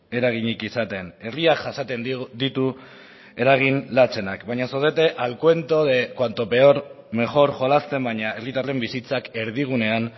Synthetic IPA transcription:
e̞ɾaɣ̞iɲikisat̪e̞ne̞riakʝasat̪e̞nd̪it̪u | e̞ɾaɣ̞inlat͡se̞nakbajɲasoðet̪e̞ʔalkwe̞nt̪o̞ðekwant̪ope̞oɾ | me̞ʝo̞ɾʝo̞last̪e̞mbaɲaerit̪arle̞mbisit͡sake̞ɾð̞iɣ̞une̞an

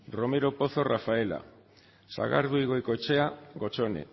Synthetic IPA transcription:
ro̞me̞ɾo̞po̞θo̞rafae̞la̰ | sa̰ɣa̰ɾðuijɣo̞jko̞t͡ʃe̞aɣo̞t͡ʃo̞ne̞̰

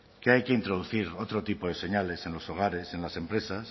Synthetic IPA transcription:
keajkeint̪ɾoð̞uθiɾot̪ɾot̪ipoð̞e̞se̞ɲale̞sẽ̞nlo̞so̞ɣ̞aɾe̞sẽ̞nlasẽ̞mpɾe̞sas

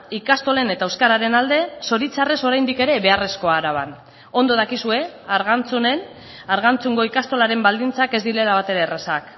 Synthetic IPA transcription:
ikast̪o̞le̞ne̞t̪aewskaɾaɾe̞nald̪e̞so̞ɾit͡sare̞so̞ɾajnd̪ike̞ɾe̞βe̞are̞sko̞aɾaβ̞an | o̞nd̪o̞ð̞akisue̞aɾɣant͡sune̞n | aɾɣant͡suŋɡo̞ikast̪o̞laɾe̞mbald̪int͡sake̞zd̪ile̞laβ̞at̪e̞ɾe̞ːresak

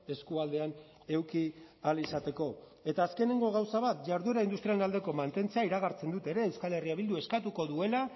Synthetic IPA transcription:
e̞skuald̪e̞an | e̞wkialisat̪e̞ko̞ | e̞t̪aːske̞ne̞ŋɡo̞ɣawsaβat̪ʝaɾðueɾaind̪ust̪ɾialenald̪e̞ko̞mant̪e̞nt͡seaiɾaɣaɾt͡se̞nd̪ut̪e̞ɾe̞ːwskale̞riaβild̪ue̞skat̪uko̞ðue̞la

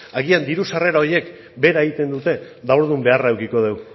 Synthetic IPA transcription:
aɣiand̪iɾusare̞ɾao̞ɾje̞k | be̞ɾaeɣit̪e̞nd̪ut̪e̞ | ðawɾðumbe̞araewkiko̞ð̞e̞w

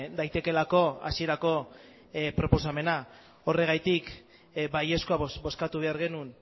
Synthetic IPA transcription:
d̪ajt̪e̞ke̞lako̞a̰sie̞ɾako̞ | pɾo̞po̞same̞na | o̞re̞ɣ̞ajt̪ik | baje̞skoabo̞skat̪uβe̞aɾɣe̞nun

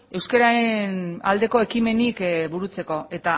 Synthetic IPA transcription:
e̞wskeɾaena̰ld̪e̞ko̞e̞kime̞nikbuɾut͡se̞ko̞e̞t̪a

